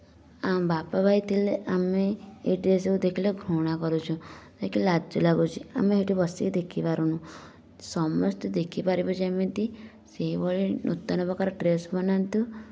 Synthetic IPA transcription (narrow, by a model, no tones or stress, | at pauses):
ambapabʱajt̪ʰileʔameeʈɾeseud̪ekʰileɡʱɾoɽ̃akɔɾut͡ʃʰũd͡ʒaikilad͡ʒɔlaɡut͡ʃʰia̰meɦeʈibɔsikid̪ekʰipaɾunũ | sɔmɔst̪ɔd̪ekʰipaɾibɔt͡ʃʰemint̪i | seɦibɔɭinʔṵt̪ːɔnɔpɔkaɾɔʈɾesbɔnant̪ũ